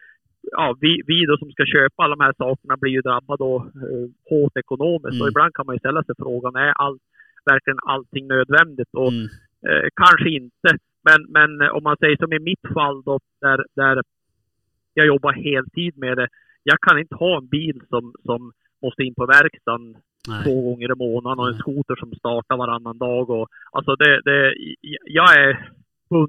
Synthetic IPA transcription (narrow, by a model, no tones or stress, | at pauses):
jɑːvɪvɪd̪ɔsɔmskaɕøːpaalːd̪ɔmhæːʂɑːkəɳabliɾjɵd̪ɾabːad̪ɔ | hoːt̪ɛkʊnoːmɪ̰skt̪ɔɪbland̪̚kʰanmanjɵst̪ɛlːasɛjfɾoːɡanæɾʔalt̪ | væɾklɪɡəna̰lt̪ʰːɪŋːnøːd̪vɛnd̪ɪt̪ɔ | kʰanʂəɪnt̪ə | mɛnmɛnɔ̰mːansɛjːəʂɔmɪmɪt̪falːd̪ɔd̪̥æɾd̪æɾ | jɑɡjɔbːaɾheːlt̪ʰiːd̪̚mɛd̪ɛ | jɑːɡkʰanɪnt̪ə̥hɑːɛnbiːlsɔmsɔmː | ɔst̪əɪnːpʰɔvæɾkst̪an | t̪ʰvoːɡɔŋːəɾɪmoːnad̪ənɔɛnskuːt̪əʂɔmst̪ɑːʈaɾvaɾanːand̪ɑːɡɔʔa̰lsɔd̪ɛd̪ɛ | jɑːɡæɾ | ɵ